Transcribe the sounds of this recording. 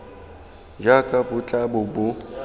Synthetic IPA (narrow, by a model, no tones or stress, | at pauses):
d͡ʒakʼabʊt͡ɬʼabʊbʊ